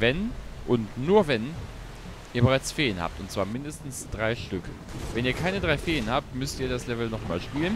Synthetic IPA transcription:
vɛnʔʊntnuːɐvɛn | ʔiːɐbəʁ̞aɪt͡sfeːənha̰ːp̚tʊntt͡sv̥aːɐmɪndəstn̩sd̥ʁaɪʃtʏkʰə | vɛniːɐkʰaɪnədʁaɪfeːənhaːp̚tmʏstiːɐɾaslɛvl̩nɔχma̰ːlʃpiːlən

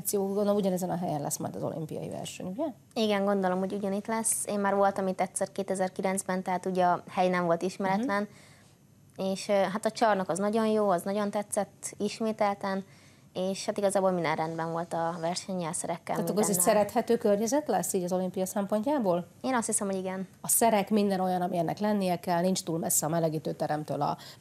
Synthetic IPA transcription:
sijoːɡonoluɟɒnɛzɛnɒɦɛjɛnlʔɛ̰sːmɒ̰jd̪ɒzo̞̰lʔḭmpḭjɒ̰jḭvɛ̰rʃɛ̰ɲujɛ | iɡɛŋɡo̞nd̪o̞lo̞mho̞ɟuɟɒnit̪lɛseːmmaːrʋo̞lt̪ɒmit̪ːɛt̪sɛrkeːt̪ɛzɛrkilɛnzbɛnt̪ɛɦaːt̪uːɟɒhɛjnɛɱvo̞lt̪iʃmɛɾɛlɛn | eːʃɦat̪ɒt͡ʃɒrnɒkɒznɒɟo̞njoːɒznɒɟo̞nt̪ɛt̪sɛt̪ːiʃmeːt̪ɛlt̪ɛn | eːʃhat̪iɡɒzaːbolmind̪ɛ̰nrɛnd̪bɛnvo̞lt̪ɒvɛrʃɛɲːɛlsɛɾɛkːɛ̰laːmikzessɛɾɛt̪hɛt̪øːkørɲɛzɛt̪lɛsːiːɟɒzo̞limpijɒsɛmpo̞ɲcaːboːl | eːnɒst̪hisɛmhoiɡɛnɒsɛɾɛkmind̪ɛno̞jɒnɒmiɛnːʔɛ̰klɛnːijɛkɛlnint͡ʃt̪uːlmɛsːɛɒmɛlɛɡiːt̪øːt̪ɛɾɛmt̪ø̰ːlɒ̰

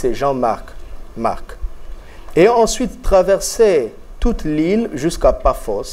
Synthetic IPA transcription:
seʒɑ̃m | ma̰ʁk | eɑ̃sɥit̪ːχavɛʁse | t̪ut̪linʒyskapaʁfɔs

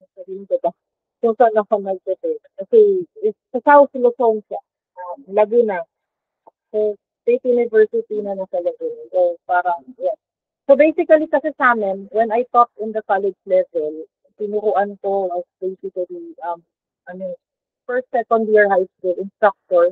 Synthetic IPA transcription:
sɐɾiɪk̪ɐba | sosɐnɐpɐnɐɡ̚tɐt̪ɛkɐsɛɪsɐsawθlosoŋsa | ʔɐmlɐɡɪnɐ | sɛ | t̪ejt̪jʊnɪvɛɹsɪt̪inɐnɐsɐlɐɡɪnsopaːɾɐŋjas | sobejsɪkɐlikɐsɛsaːmɛnwɛnɐjp̪ɔp̪̚ɪnd̪ɐkalɛd͡ʒlɛvɛl | t̪ɪnʊɾʊʔankoʔɐsbejsɪkɐliʔɐm | ʔɐno | fɛɹst̪ɛtɔnd̪jɛɹhajskulɪnst̪ɾak̚t̪oɹ

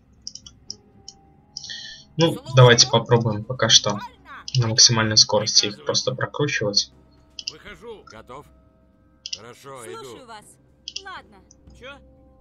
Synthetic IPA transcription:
nud̪ɐvajtʲɪ̥pɐpɾo̞bʊjɪmpɐkaʂt̪o̞ | nəməksʲɪmalʲnəjsko̞ɾəsʲtʲɪixpɾo̞st̪əpɾɐkɾut͡ɕɪvətʲ

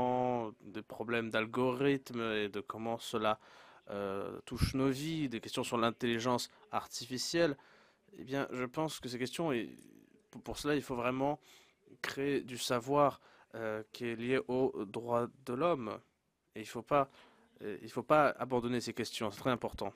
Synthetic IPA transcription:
ɑ̃d̪epχɔblɛmd̪alɡɔʁit̪med̪əkɔmɑ̃səlaø̰t̪uʃnovid̪ekʲɛst̪jɔ̃syʁlɛ̃t̪eliʒɑ̃sa̰ʁt̪ifisjɛl | ḛbjɛ̰̃ʒəpɑ̃skəsɛkʲɛst̪jɔ̃e | puʁsəlailfovʁɛmɑ̃ | kχeed̪ysavwaʁ | økʲiɛljeʔod̪ʁwad̪əlɔm | eilfopa̰ | ilfopaa̰bɑ̃d̪ɔnesekʲɛst̪jɔ̃sɛt̪χɛzɛ̃pɔʁt̪ɑ̃

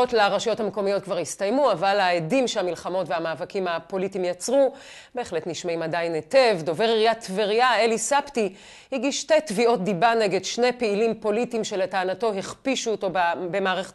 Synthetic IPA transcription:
otleaʁaʃjothameko̞mijo̞t̚kvaʁhistajmuavalaedimʃeamilχamo̞tveamaːvakimapo̞litimjat͡sʁu | be̞ːχletniʃmaimadajnetevdo̞ve̞ʁiʁijatveʁijaelisapti | hiɡiʃte̞tvio̞t̚dibane̞ɡedʃne̞peilimpo̞litimʃe̞letaːnato̞ɦiχpiʃuːto̞bbe̞maːʁeχe̥t

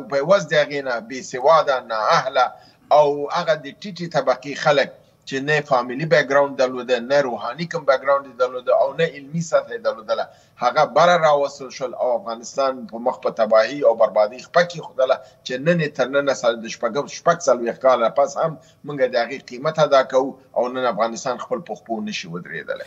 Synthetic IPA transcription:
pəwazd̪əhaɣenabesɪwɑd̪anɑahlaː | whaɣad̪əʈiʈit̪abaqixalək̚ | t͡ʃenafɑmilibak̚ɡɾawɳɖ̚d̪aɾlod̪ənaɾoɦɑnikəmbak̚ɡɾawɳɖd̪ed̪aɾlod̪əʔawnaɪlmisat̪ajed̪aɾlod̪əla | haɣabaɾaɾɑwast̪əlʃwəla̰wafɣɑnɪst̪ɑnpəməxpət̪abɑhiawbaɾbɑd̪əjxpakjexod̪əlat͡ʃenənet̪əɾnənasad̪əʃpaɡəʃpaɡsalwex̚kɑlapashamː | uŋɡad̪əhaɣeqimat̪ad̪ɑkawu | a̰wnənafɣɑnɪst̪ɑnxpəlpəxponəʃiwəd̪ɾḛd̪ə̰lḛ

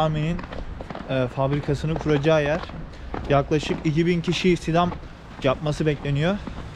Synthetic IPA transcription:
aɾmenin | fabɾikʰasɯnɯkʰuɾad͡ʒaːjæɾ̥ | jaklˠaʃɯkicibincʰiʃisid̪am | d͡ʒap̚masɯbɛclʲe̞nijo

